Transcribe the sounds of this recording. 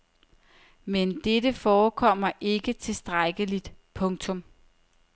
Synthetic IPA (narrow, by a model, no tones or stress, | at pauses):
mend̥edəfɒːkʰɒ̽m̰ɐʔe̝ɡ̥ət͡sʰe̝sd̥ʁaɡ̥əlid̥pʰɔ̽ŋt͡sʰɔ̽m